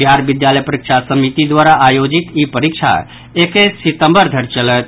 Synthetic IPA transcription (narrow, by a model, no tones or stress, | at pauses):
biɦaɾbid̪jaləjpəɾikʃʰasəmit̪id̪waɾaʔːjod͡ʒit̪ipəɾikt͡ʃʰa̰ | ekesit̪əmbəɾd̪ʱəɾt͡ʃələt̪